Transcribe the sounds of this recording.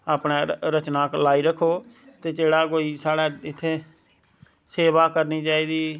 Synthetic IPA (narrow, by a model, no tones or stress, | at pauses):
aːpɽẽːɾət͡ʃnaːklaːiːɾəkʰːoː | t̪eːt͡ʃeːɽaːkoːiːsaːɽaːɪt̪ʰːeː | seːʋaːkəɾniːt͡ʃaːiːd̪iː